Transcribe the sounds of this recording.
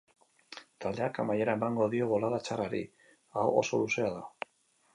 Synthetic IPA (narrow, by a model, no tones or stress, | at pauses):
t̪ald̪e̞akamaje̞ɾaebaŋɡo̞ðio̞βo̞laðat͡ʃaraɾḭ | aoʔo̰so̞luseaða